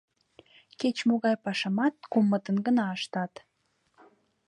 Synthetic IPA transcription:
ket͡ɕmoɣɑjpɑʃɑmɑt̪̚kumːət̪ənɡənɑəʃt̪ɑt̪

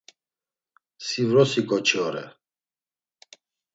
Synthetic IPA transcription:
sivɾɔsikʼɔt͡ʃʰʼɔɾɛ̰

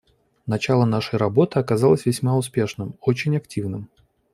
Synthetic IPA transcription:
nɐt͡ɕalˠənaʂəjɾɐbo̞t̪ɨɐkɐzalˠəsʲvʲɪsʲmaʊspʲe̞ʂnɨmot͡ɕɪnʲɐktʲivnɨm

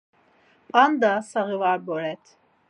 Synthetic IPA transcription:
and̪asaɣivaɾbɔɾɛt̪ʰ

